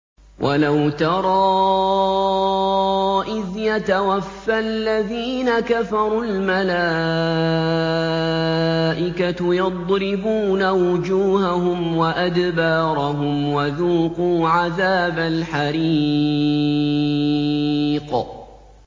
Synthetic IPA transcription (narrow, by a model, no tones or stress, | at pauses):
wʔalawt̪ɑɾˤɑː | ʔɪðjat̪awafːalːaðiːnakafɑɾˤuːlmalaː | ʔɪkat̪jɑd̪ˤɾɪbuːnawʊd͡ʒuːhahʊmwaʔad̪bɑːɾˤɑɦʊmwaðuːquːʕaðaːbalħaɾiː | q